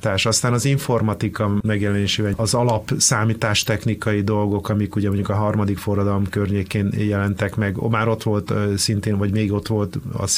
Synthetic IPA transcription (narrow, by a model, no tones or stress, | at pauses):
t̪aːʃɒst̪aːnɒziɱfo̞rmɒt̪ikɒmɛɡjɛlɛneːʃeːvɛɒzɒlɒpsaːmiːt̪aːʃt̪ɛxnikɒjid̪o̞lɡo̞kɒmikuɟɛmo̞ɲɟukɒɦɒrmɒd̪ikfo̞rːɒd̪ɒlomkørɲeːkeːnjɛlɛnt̪ɛkmɛɡmaːɾo̞t̪ʋo̞lt̪sint̪eːnvɒɟmeːɡo̞t̪ʋo̞lt̪ɒ̰s